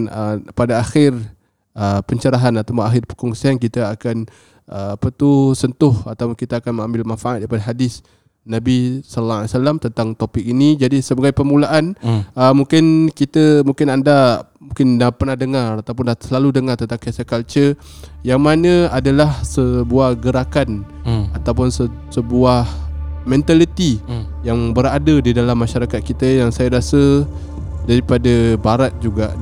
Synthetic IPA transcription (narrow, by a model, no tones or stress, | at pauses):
nəpadaːxɪr | əpəɲt͡ʃəɾaɦanat̪awpnaxɪrpə̥kɔŋsank̬it̪aakan | ʔəpət̪usənt̪ʊhat̪awpʊnkit̪aakanməŋãmbɪlmanfaʔat̪̚daɾipadaɦadɪs | nabisalaalisalamt̪ənt̪aŋt̪opɪk̚inid͡ʒadisəbaɡajpəmulaʔanəmuŋkɪnkit̪əmũŋkɪnanda | mũkɪndapərnahdəŋaɾat̪awpʊnasəlaludəŋart̪ənt̪aŋkasakalt͡ʃəjaŋmanə̃adalahsəbuahɡəɾakanat̪awpʊnsəsəbuahmɛ̃nt̪alit̪i | jaŋbəɾadədidalamːãʃaɾakat̪̚kit̪əjaŋsajaɾasə | daɾipadəbaɾat̪̚d͡ʒuɡa